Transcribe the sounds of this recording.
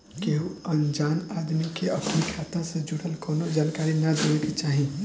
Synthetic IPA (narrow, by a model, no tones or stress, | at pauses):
keɦuənd͡ʒanad̪mikeəpnikʰat̪ãsẽd͡ʒuɽəlkonod͡ʒaːnkaɾinad̪oeket͡ʃaɦi